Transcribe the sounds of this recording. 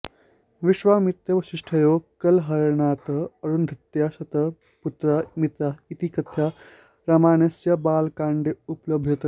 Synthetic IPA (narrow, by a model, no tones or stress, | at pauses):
ʋiʃʋamit̪jɐʋɐʃiʂʈʰɐjokɐlɦɐɾɳaːt̪əɐɾuːnd̪ʱɐt̪jasɐt̪ə | put̪ɾamit̪ait̪ikɐt̪ʰja | ɾamaːnɐsjabaːlkaɳɖeupləb̚dʱjɐt̪ə